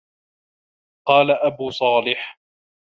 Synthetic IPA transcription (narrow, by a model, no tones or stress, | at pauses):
qɑːlaʔabuːsˤɑːlɪħ